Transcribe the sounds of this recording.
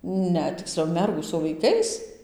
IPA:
ˈnʲɛ tʲɪkˈsʲlʲɛʊ ˈmʲɛrɡuː sʊ ʋɐɪˈkɐɪs

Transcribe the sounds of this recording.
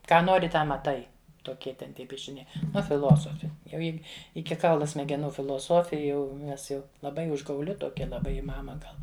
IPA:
ˈkɑː ˈnoːrʲɪ ˈtɑː mɐˈtɐɪ toːˈkʲiɛ tʲɛn ˈtʲiɛ pʲiɛʃʲɪˈnʲɛɪ ˈnʊ fʲɪˈlˠoːsoːfʲɪ jɛʊ ˈjɪ ˈɪkʲɪ ˈkɐʊlˠʊ sʲmʲɛɡʲɛˈnuː fʲɪlˠoːˈsoːfʲɪ jɛʊ ˈnʲɛs jɛʊ lˠɐˈbɐɪ ʊʒɡɐʊˈlʲɪ toːˈkʲɛ lˠɐˈbɐɪ ɪ ˈmɑːmɐ ˈɡɐlˠ

